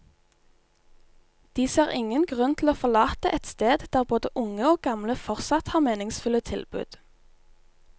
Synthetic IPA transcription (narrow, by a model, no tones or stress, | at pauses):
d̪̥iːseːʁɪŋənɡʁʉnt̪ʰl̩oːfɔlɑːt̪əʔɛt̪st̪eːd̪d̪̥æːʁboːd̪əʔʊŋəoːɡɑmləfɔʁsɑt̪hɑːʁmeːnɪŋsfʉlət̪ʰɪlbʉ̰ːd̪̥